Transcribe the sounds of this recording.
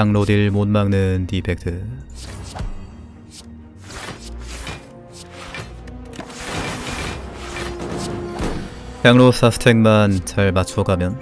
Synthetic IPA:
aŋɾodiɭmonmaŋnɯntipʰek̚tʰɯ | kaŋɾosʰasʰɯ̥tʰeŋmant͡ɕaɭmat͡ɕʰuʌɡamjʌn

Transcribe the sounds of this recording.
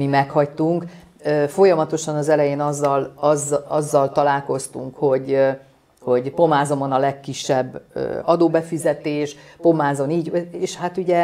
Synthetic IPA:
imɛkhɒct̪uŋk | øːfo̞jɒmɒt̪o̞ʃɒnɒzɛlɛjeːnɒzːɒlɒzɒzːɒlt̪ɒlaːlko̞st̪uŋkho̞ɟ | ho̞ɟpo̞maːzo̞monɒlɛkːiʃːɛbːø̰ːɒd̪oːbɛfizɛt̪eːʃpo̞maːzo̞niːɟeːʃhat̪uɟɛ

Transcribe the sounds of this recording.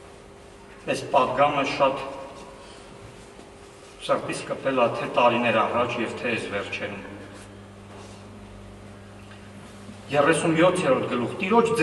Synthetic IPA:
ɛspɑd̪̚ɡɑməʃɑt̪ | səɾt̪it͡skəpɛlɑt̪ʰɛt̪ɑɾinɛɾɑrɑt͡ʃʰjɛvt̪ʰɛɛsvɛɾt͡ʃʰɛɾum | jɛrɛsunjɔt̪ʰjɛɾɔɾt̪ʰɡəluχt̪iɾɔt͡ʃʰd͡z

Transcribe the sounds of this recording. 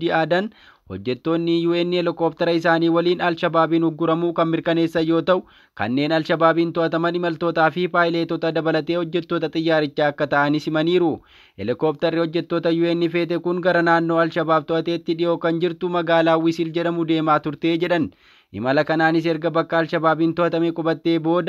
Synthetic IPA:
ɪaːd̪ɐn | hɔ̰d͡ʒːɛt̪ːo̞ːnːɪjuːʔɛnːɪɛlɪkoːpt̪ɐɾɐɪsaːniːwɐliːnɐlʃɐbaːbiːnhʊɡːʊɾɐmuːkɐnmɪɾkɐne̞ːsːɐjo̞ːt̪ɐʔʊ | kɐ̰nːe̞ːnɐlʃɐbaːbiːnt̪ɔʔɐt̪ɐmɐnɪmɐlt̪o̞ːt̪aːfɪpaːɪleːt̪ɔt̪ɐd̪ɐbɐlɐt̪e̞ːhɔd͡ʒːɛt̪ːoːt̪ɐt̪ʼɪjːaːɾɪt͡ʃːaːɐkːɐt̪ɐʔɐnɪsɪmɐniːɾʊ | ɛ̰lɪkoːp̚t̪ɐrːɪhɔd͡ʒːɛt̪ːo̞ːt̪ɐjuːɛnːɪfe̞ːt̪ɛkʊŋɡɐɾɐnaːnːo̞ːɐlʃɐbaːbt̪ɔʔɐt̪e̞ːt̪ːɪᶑɪjo̞ːkɐnd͡ʒɪɾt̪ʊmɐɡaːlaːwɪsɪld͡ʒɛᶑɐmʊd̪e̞ːmaːt̪ʊɾt̪e̞ːd͡ʒɛᶑɐn | ʔɪ̰mɐlɐkɐnaːnɪs̬ɛɾɡɐbɐkːɐːlʃɐbaːbiːnt̪ɔʔɐt̪ɐmɛkʼɔbɐt̪ːe̞ːbo̞ːd̪ɐ

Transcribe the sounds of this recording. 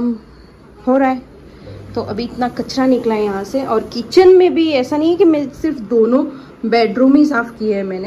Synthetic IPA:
m | hoːɾaːeː | t̪oʔɐbʱiɪt̪nakɐt͡ʃɾanɪklaːẽjɐɦãseʔɔːɾkiːt͡ʃənmẽbʱiɛːsanɐɦĩɦɛkimɛ̃sɪɾfd̪oːnõ | bɛːɖɾuːmĩs̬aːfkiɦɛmɛ̃ːne

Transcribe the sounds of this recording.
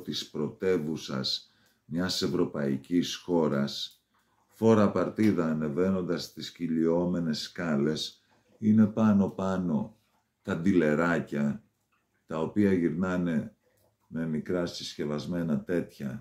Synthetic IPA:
t̪ispɾo̞t̪e̞vusɐ̰s | mɲɐse̞vɾo̞pɐḭcisxo̞ɾɐs | fo̞ɾɐpɐɾt̪iðɐːne̞ve̞no̞nd̪ɐst̪isciʎio̞me̞ne̞skɐle̞s | ine̞pɐno̞pɐno̞ | t̪ɐd̪ile̞ɾɐcɐ | t̪ɐo̞piɐʝiɾnɐne̞ | me̞mikɾɐsisçe̞vɐzme̞nɐt̪e̞t̪çɐ

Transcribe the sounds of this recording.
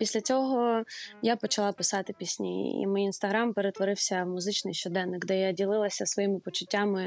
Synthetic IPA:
pʲisʲlʲɐt͡sʲɔɦɔjapɔt͡ʃɐlˠɑpɪsɑt̪ɪpʲisʲnʲij̰ḭmɪjinst̪ɐɦɾampeɾet̪ʋɔɾɪwsʲɐmʊzɪt͡ʃnɪjʃt͡ʃɔd̪ɛnːɪkd̪ɛjadʲilˠɪlˠɐsʲɐsʋɔjimɪpɔt͡ʃʊtʲːamɪ

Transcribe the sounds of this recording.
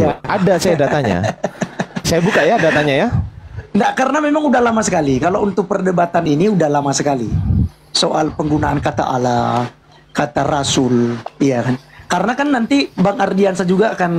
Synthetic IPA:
jaadasajadat̪aɲa̰ | sajabukaʔjadat̪aɲajandakaɾənamemaŋudahlamasəkalikalount̪ʊk̚pərdəbat̪aniniudahlamasəkalḭ | soʔalpəŋɡunaankat̪a̰ʔa̰la | kat̪arasʊlijakankaɾənakanːant̪ibaŋardiansad͡ʒuɡaːkan

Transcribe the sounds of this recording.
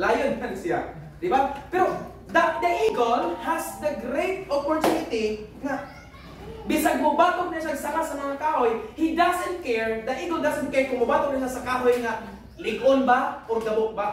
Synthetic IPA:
laːjonkansia̰ | d̪ɪbapɛɾo | d̪at̪̚d̪aʔiɡəlhasd̪əɡɾejt̪̚ɔpɔɹt̪unɪt̪iŋa | bɪsaɡ̚mabaːt̪ʊɡ̚naʃaɡsaɾasɐmɐŋakaːɦojhid̪asɛnt̪̚kɛɹd̪aiɡəld̪asɛnt̚kɛɹkʊŋmabat̪ʊk̚naʃasɐkaːɦojŋa | lɪɡʔʊnbaʔoɡd̪abʊk̚ba

